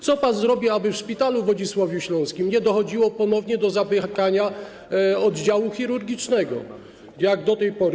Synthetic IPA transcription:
t̪sɔpanzɾɔbʲjɛabɘfʂpʲit̪aluvɔd͡ʑiswɔvʲjɛɕlɔ̃w̃skʲimɲɛd̪ɔxɔd͡ʑiwɔpɔnɔvɲɛd̪ɔzabɛkaɲa | ɔd̪d͡ʑawuxʲiɾuɾɡʲit͡ʂnɛɡɔ̰ | jaɡd̪ɔt̪ɛjpɔɾ

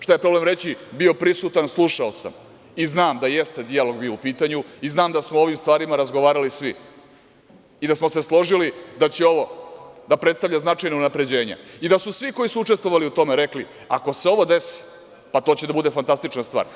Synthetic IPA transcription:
ʃt̪ajepɾo̞ble̞mɾe̞t͡ɕibio̞pɾisut̪anslˠuʃaosa̰m | iznaːmd̪ajest̪e̞d̪ialo̞ɡbiːoupiːt̪aɲuiznaːmd̪asmoo̞ʋimst̪ʋaːɾimaɾazɡoʋaːɾalisʋi | id̪asmo̞se̞slˠo̞ʒilid̪at͡ɕeo̞ʋo̞d̪apɾet̪st̪avʎʲaznat͡ʂajnounapɾe̞d͡ʑe̞ːɲa̰id̪asusʋiko̞jisuut͡ʂest̪ʋo̞ʋaliut̪o̞meɾe̞kli | ako̞seo̞ʋo̞d̪e̞si̥ | pat̪o̞ːt͡ɕed̪abud̪e̞fant̪ast̪it͡ʂnast̪ʋa̰ːɾ

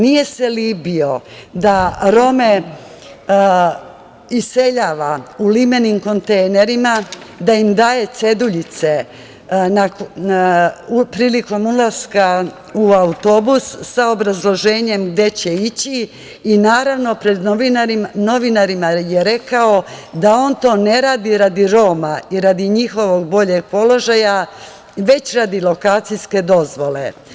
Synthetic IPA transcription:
nije̞selibio̞d̪aɾo̞me̞ | ise̞ʎaːʋaulimenimko̞nt̪ejne̞ɾimad̪aimd̪aːje̞t̪se̞d̪uʎit̪se̞ | na | pɾiːliko̞mulˠaska | uaut̪o̞busːaobɾazlˠo̞ʒe̞ːɲe̞mɡd̪e̞t͡ɕe̞it͡ɕiː | naːɾaʋno̞pɾed̪inaɾino̞ʋinaɾimajeɾe̞kao̞d̪ao̞ːnt̪o̞ːne̞ɾaːd̪iɾad̪iɾo̞maiɾad̪iɲixo̞ʋo̞ɡ̚bo̞ʎe̞ɡ̚po̞lo̞ʒaja | ʋe̞t͡ɕɾaːd̪ilo̞kaːt̪sijske̞d̪o̞zʋo̞le̞

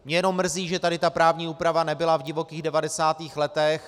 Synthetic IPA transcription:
mɲɛjɛnomːr̩ziːʒɛt̪adɪt̪apɾaːvɲiːuːpɾavanɛbɪlavɟɪvo̞kiːɣdɛvadɛsaːt̪iːxlɛt̪ɛx

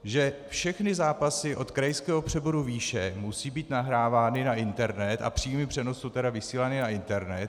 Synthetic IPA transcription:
ʒɛfʃɛxnɪzaːpasɪʔo̞t̪kɾajskɛːɦo̞pr̝̥ɛbo̞ɾuviːʃɛmusiːbiːt̪naɦɾaːvaːnɪnaʔɪnt̪ɛɾnɛt̪a̰pr̥iːmɪpr̝̥ɛnosːowt̪ɛɾavɪsiːlanɪnaɪnt̪ɛɾnɛt̪

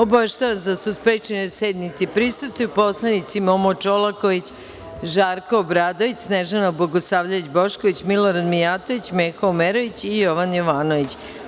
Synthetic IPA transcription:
obaʋeʃt̪aʋasd̪asuspɾet͡ʃenesed̪nit̪sipɾisust̪ʋujupo̞slˠanit̪simo̞mot͡ʃolˠako̞ʋit͡ɕ | ʒaːɾkoːbɾaːd̪o̞ʋit͡ɕsneʒenoboɡosaːʋʎait͡ɕboʃkoʋit͡ɕmiloɾad̪mijaːt̪o̞ʋit͡ɕmeːkoomeɾo̞ʋit͡ɕijo̞ʋanjoʋaːnoʋit͡ɕ

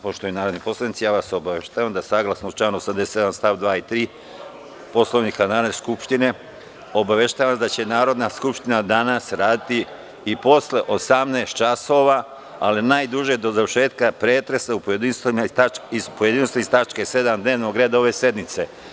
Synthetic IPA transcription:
poʃt̪ojunaːɾo̞d̪nipo̞slˠadnit̪sijaːʋaso̞baʋeʃt̪aːʋamd̪asaːɡlˠasnout͡ʃlaːnuosamd̪eseed̪amst̪aʋd̪ʋaːit̪ɾiː | po̞slo̞ʋnikanaːneskupʃt̪ine̞ | o̞baʋe̞ʃt̪aːʋasd̪at͡ɕe̞naːɾo̞d̪naskupʃt̪inad̪anasɾaːd̪it̪iː | po̞sle̞ʔo̞samnest̪t͡ʃaso̞ʋa | alinaːjd̪uʒed̪o̞zaʋəɾʃe̞ːt̪kapɾeːt̪ɾe̞saupojed̪inst̪maipojed̪inst̪aist̪at͡ʃkese̞d̪amd̪neːʋnoɡɾe̞ːd̪ao̞ʋe̞se̞d̪nit̪se̞

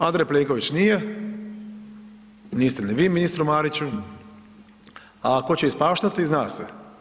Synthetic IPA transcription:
and̪ɾejpleːŋko̞ʋit͡ɕnije | niːst̪eniʋiːminist̪ɾumaːɾit͡ɕu | ako̞t͡ɕeispaːʃt̪at̪iznaːsḛ

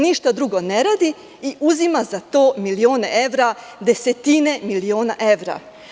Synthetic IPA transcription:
niʃt̪ad̪ɾuɡoneɾaːd̪i | iʔuzimazat̪o̞ːmilio̞ːneʔe̞ʋɾa | d̪e̞se̞t̪ine̞milio̞ːnaʔe̞ʋɾa̰

